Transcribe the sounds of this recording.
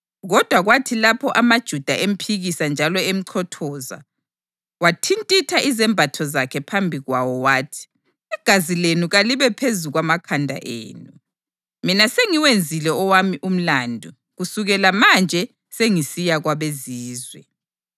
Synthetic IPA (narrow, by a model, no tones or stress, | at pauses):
ɣɔd̥ʱwaɣwatʰilapʰɔʔamad̥ʒ̥ʱud̥ʱaʔem̩pʰiɣisand͡ʒʱalɔem̩ǀʰɔtʰɔːza̰ | watʰintʼitʰaʔizɛmbʱatʰɔzakʰɛpʰambʱiɣwawɔwaːtʰi̥ | ɛɡ̥ʱazilenuɣaliβɛpʰezuɣwamakʰandʱa̰ʔḛːnu | minaseŋiwend͡zʱilɛɔwamiʔum̩landʱu | ɣusuɣɛlamand͡ʒʱɛ | seŋisijaɣwaβeziːzwɛ